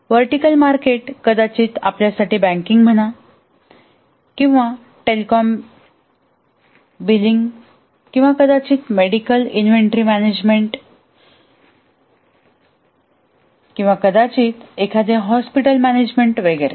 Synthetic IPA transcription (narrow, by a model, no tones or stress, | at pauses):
ʋəɾʈikəlmaɾkeʈkəd̪at͡ɕiːt̪a̰pljasaʈiːbæ̃ŋkiŋɡm̤əɽ̃a | kĩw̃ʋa | ʈelikɔm | biliŋɡ | kĩw̃ʋakəd̪at͡ɕiːt̪meɽikəlinʋeɳʈɾimæned͡ʑmeɳʈ | kĩw̃ʋakəd̪at͡ɕiːt̪ekʰad̪eɦɔspiʈəlmæned͡ʑmeɳʈʋeɡəɾḛ